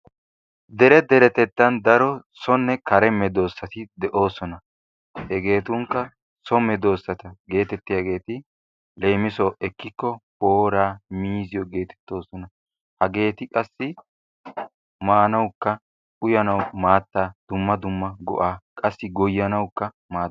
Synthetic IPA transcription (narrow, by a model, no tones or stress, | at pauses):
d̪ɛɾɛd̪ɛɾɛt̪ɛt̪ːɐnd̪ɐɾɔsɔnːɛkɐɾɛmɛd̪o̞ːsːɐt̪ɪd̪ɛʔo̞ːsɔnɐ | hɛɡe̞ːt̪ʊŋkːɐ | sɔmɛd̪o̞ːsːɐt̪ɐɡe̞ːt̪ɛt̪ːɪjaɡe̞ːt̪ɪ | le̞ːmɪsɔʔɛkːɪkːɔpo̞ːɾaːmiːzɪjɔɡe̞ːt̪ɛ̥t̪ːo̞ːsɔnɐ | hɐɡe̞ːt̪ɪkʼɐsːɪ | maːnɐwkːɐ | ʊjɐnɐwmaːt̪ːaːd̪̥ʊmːɐd̪ʊmːɐɡɔ̰ʔaːkʼɐsːɪɡɔjːɐnɐwkːɐ | maː